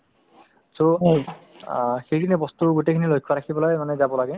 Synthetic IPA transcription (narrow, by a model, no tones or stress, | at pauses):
so | xejkʰinibɔst̪uɡutejkʰinilojkʰːɔɹakʰibɔlojmanɛzabɔlaɡɛ